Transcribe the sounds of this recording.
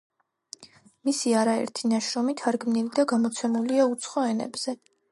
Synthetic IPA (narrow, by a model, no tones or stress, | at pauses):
misiaɾaɛ̰ɾt̪ʰinaʃɾɔmit̪ʰaɾɡmnilid̪aɡamɔt̪sʰɛmuliaut̪sʰχɔɛnɛ̰bz̥ɛ